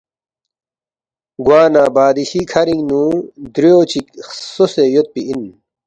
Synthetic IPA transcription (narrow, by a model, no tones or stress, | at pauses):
ɡwaːnaːbaːd̪iɕikʰɐɾiŋnũːd̪ɾijoːt͡ɕiksosejot̪̚piʔin